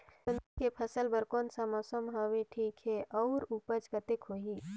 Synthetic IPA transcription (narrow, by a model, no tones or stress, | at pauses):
ənd̪ikepʰəsəlbəɾkoːnsamɔːsəmɦaːʋeʈʰiːkɦeʔɔːɾupət͡ʃɡət̪ɪkɦoːɦiː